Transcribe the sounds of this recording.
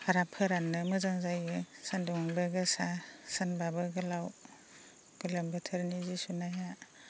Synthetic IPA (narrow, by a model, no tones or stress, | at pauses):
haɾapʰɯɾanːɯmɯzaŋzajɯsandɔŋbɯɡɯsasanbabɯɡɯlaw | ɡ̥ɯlɯmbɯtʰɯɾnizisunaja